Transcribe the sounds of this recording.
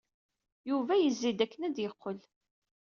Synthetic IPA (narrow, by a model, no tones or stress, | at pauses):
juvæjəzːid̪ækːənæd̪jəqʰːəl